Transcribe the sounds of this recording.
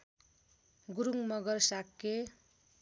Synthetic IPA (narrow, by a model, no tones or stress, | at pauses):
ɡuɾuŋmʌɡʌrsakːe